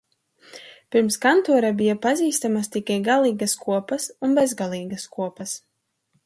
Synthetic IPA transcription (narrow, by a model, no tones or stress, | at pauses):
pʲiɾmskant̪uɔɾabʲijapaziːst̪amast̪ikʲajɡalˠiːɡɐskuɔpɐsunbɛzɡalˠiːɡɐskuɔpɐs